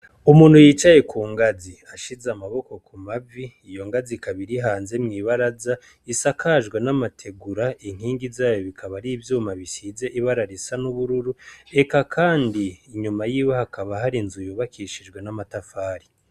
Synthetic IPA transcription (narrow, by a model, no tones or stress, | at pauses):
umuːn̥hujiːt͡ʃaje̞kʰuːŋɡaziaʃizamaβo̞ko̞kumaviːjo̞ŋɡazikaβiɾiɦaːnzemŋiːβaɾaza | isakʰaʒɡwe̞namatʰe̞ɡuɾaiŋ̥hiːŋɡizaːjo̞βikʰaβaɾiːvjuːmaβisize̞ʔiβaɾaɾisanuβuɾuɾue̞kakʰaːndiːɲumajiːwehakʰaβaɦaɾinzujuβakʰiʃid͡ʒɡwe̞namatafaːɾi